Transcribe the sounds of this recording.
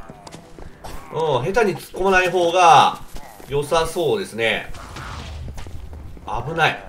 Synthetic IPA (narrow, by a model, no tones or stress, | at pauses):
oːɦe̞t̪aɲ̟it͡sɨ̥kːo̞manaiɦo̞ːɡa | jo̞saso̞ːd̪e̞sɨne̞ | abɯ̟nai